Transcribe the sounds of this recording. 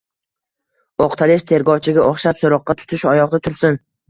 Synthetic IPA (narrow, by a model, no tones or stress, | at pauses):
oqt̪ʰalɪʃt̪ʰe̞ɾɡɒwt͡ʃʰɪɡʲaʔoχʃapsoɾɒqːɑt̪ʰʊ̥t̪ʰɪʃɒjɒqd̪at̪ʰʊɾsɪn